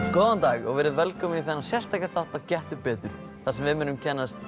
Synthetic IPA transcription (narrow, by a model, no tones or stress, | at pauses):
kɔːwðant̪aːɣɔɣvɛːɾɪðvɛlkʰɔːmɪniθɛnːasjɛr̥st̪ajkɪɾθaht̪aðcɛht̪ʏpɛːt̪ʏɾ̥ | θasɛmvɪmɪːnʏmcʰɛnːast̪